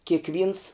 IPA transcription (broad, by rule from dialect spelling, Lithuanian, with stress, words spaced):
kʲeːkˈʋʲiːns